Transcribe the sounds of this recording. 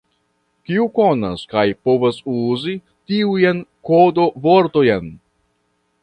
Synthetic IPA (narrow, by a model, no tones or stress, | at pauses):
kiuko̞na̰skajpo̞vasuzi | tiujenko̞do̞vo̞ɾto̞jen